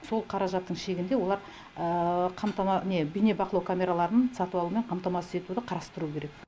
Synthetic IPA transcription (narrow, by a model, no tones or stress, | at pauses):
so̞lˠqʰɑɾɑʒɑt̪ːəɴʃe̞ɡʲɪnd̪e̞wo̞lˠɑɾ | əqʰɑmt̪ɑmɑnebijne̞bɑqəlˠɑwkʰamʲe̞ɾalˠɑɾənənsɑt̪uwɑlˠume̞ɴqʰɑmt̪ɑmɑsɪze̞t̪ud̪ɪqʰɑɾɑst̪əɾuːəkʲeɾe̞k